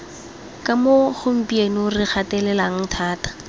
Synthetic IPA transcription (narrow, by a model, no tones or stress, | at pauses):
kʼamoχʊm̩pʼienrɪk͡xʰatɛlɛlaŋ̩tʰaːtḁ